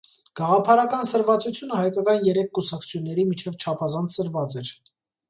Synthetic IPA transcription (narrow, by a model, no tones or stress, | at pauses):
ɡ̥ɑʁɑpʰɑɾɑkɑnsəɾvɑt͡sut͡sʰjunəhɑjkɑkɑjinjɛɾɛkʰːusɑk̚t͡sʰu̥t͡sʰjunːɛɾimit͡ʃʰɛvt͡ʃʰɑpʰɑzɑnt͡sʰsəɾvɑt͡sɛɾ